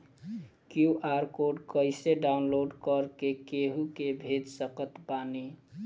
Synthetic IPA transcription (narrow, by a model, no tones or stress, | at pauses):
kjuʔaɾkoɖkəɪseɖaunloɖkəɾkekeɦukebʱed̪səkət̪pani